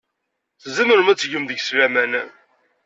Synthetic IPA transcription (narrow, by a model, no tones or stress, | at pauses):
θzːiməɾəmæt͡sːʝəmðəɡslæmæn